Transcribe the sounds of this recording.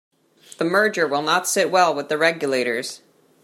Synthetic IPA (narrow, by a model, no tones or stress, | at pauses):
ðəmɜ˞d͡ʒə˞wɪlˠnətsɪt̚wɛlˠwəðɨɹɛɡjɨleɪɾə˞z̥